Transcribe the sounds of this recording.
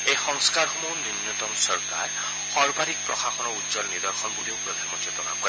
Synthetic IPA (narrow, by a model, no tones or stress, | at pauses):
ejxɔŋskaɹxɔmɔwninːɔt̪ɔmsɔɹka̰ɹ | xɔɹbaɾik̚pɹɔ̰xaxɔnɔudzɔlnid̪ɔɹxʰɔnbuliokɹɔd̪ʱɛmɔtːɔt̪ɔna̰kɔ